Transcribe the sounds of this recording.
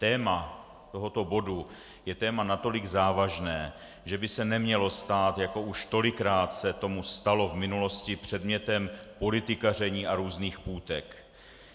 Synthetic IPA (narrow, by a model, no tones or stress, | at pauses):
t̪ɛːma | t̪o̞ɦo̞t̪o̞bo̞du | jɛt̪ɛːmanat̪o̞lɪɡzaːvaʒnɛː | ʒɛbɪsɛnɛmɲɛlo̞st̪aːt̪jako̞ʔuʃt̪o̞lɪkɾaːt̪sɛt̪o̞must̪alo̞vmɪnulo̞scɪpr̝̥ɛd̪mɲɛt̪ɛmpo̞lɪt̪ɪkarɛɲiːʔaɾuːzniːxpuːt̪ɛk